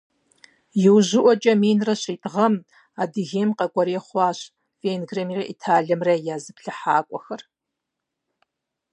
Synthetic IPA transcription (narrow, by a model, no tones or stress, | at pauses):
jɪwʑɪʔʷɔt͡ʃʼɐmiːnrɐɕiːtʼʁɐm | aːdɨɣeːmqɐkʷʼɔɾeːχʷɑːɕ | veːnɡremirɐʔḭtʰaːɮɐmrɐjaːzɨpɬɐħaːkʷʼɔxɐr